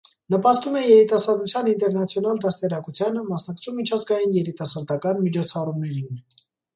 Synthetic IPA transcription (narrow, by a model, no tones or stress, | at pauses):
nəpɑst̪umɛjɛɾit̪ɑsɑɾd̪ut͡sʰjɑnint̪ɛɾnɑt͡sʰjɔnɑld̪ɑst̪ɛɾɑkut͡sʰjɑnəmɑsnɑkt͡sʰumit͡ʃʰɑzɡɑjinjɛɾit̪ɑsɑɾd̪ɑkɑnmit͡ʃʰɔt͡sʰɑrumnɛɾin